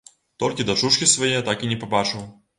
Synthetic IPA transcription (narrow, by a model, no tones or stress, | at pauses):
t̪ɔlʲkʲɪd̪ɐt͡ʂuʂkʲisvɐjet̪akinʲɛpɐbat͡ʂɨw